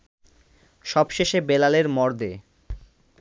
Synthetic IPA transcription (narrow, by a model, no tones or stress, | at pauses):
ʃɔbʃeʃebelaleɾmɔɾd̪ḛ